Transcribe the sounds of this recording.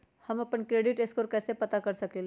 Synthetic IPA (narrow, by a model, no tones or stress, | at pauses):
həməpəɳkɾeːɖiʈeskoːɾkɛːsepət̪akəɾsəkleːl